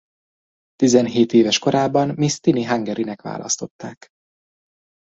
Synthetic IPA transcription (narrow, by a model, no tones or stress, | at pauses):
t̪izɛnɦeːt̪eːvɛʃko̞ɾaːbɒnmist̪iniɦaŋɡɛɾinɛkʋa̰ːlʔɒ̰st̪o̞t̪ːaːk